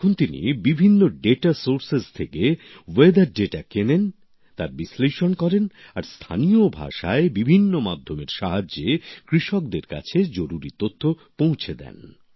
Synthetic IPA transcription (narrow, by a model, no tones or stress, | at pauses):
kʰont̪inḭbibʱinːoɖeʈasoɾsest̪ʰeke | wed̪aɾɖeʈakenen | t̪aɾbisleʃonkɔɾen | aɾst̪ʰa̰niobʱa̰ʃaebibʱinːomad̪ʱːomeɾʃaɦaekɾiʃɔk̚d̪eɾka̰t͡ɕʰed͡ʑoɾuɾit̪ot̪ʰːo | põw̃t͡ɕʰed̪ɛ̰n